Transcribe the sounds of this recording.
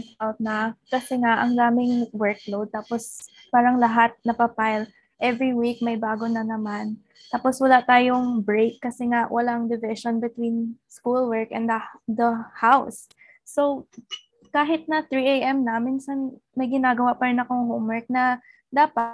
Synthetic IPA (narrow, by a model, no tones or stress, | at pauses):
awt̪̚nɐkɐsɛŋaʔɐŋd̪aːmɪŋwɛɹk̚lowd̪̚t̪aːpos | paːɾɐŋlɐɦat̪̚nɐpɐpajl | ʔɛvɹiwik̚mɐjbaːɡonɐnɐman | t̪aːpo̞swɐlat̪aːjoŋbɹekːɐsɛŋaʔwʔɐlaʔɐŋd̪ɪvɪʃonbɪt̪winskulwɛɹkɛ̰nd̪ɐd̪ɐhawsː | ow | kaːɦɪt̪̚nɐt̪ɹiʔejʔɛmnɐminsɐn | mɐjɡɪnaːɡɐwapɐɾɪnɐko̞ŋɦowmwɛɹk̚nɐ | d̪aːpɐt̪